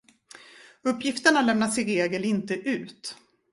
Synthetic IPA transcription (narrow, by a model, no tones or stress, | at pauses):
ɵpːjɪft̪əɳalɛmnat̪sɪɾeːɡəlɪnt̪əʔʉ̟ːt̪